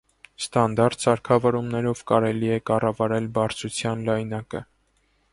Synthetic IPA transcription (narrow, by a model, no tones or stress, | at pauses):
st̪ɑnd̪ɑɾt̪sɑɾkʰɑvɔɾumnɛɾɔvkɑɾɛliɛkɑrɑvɑɾɛlbɑɾt͡sʰut͡sʰjɑnlɑjnɑkə̰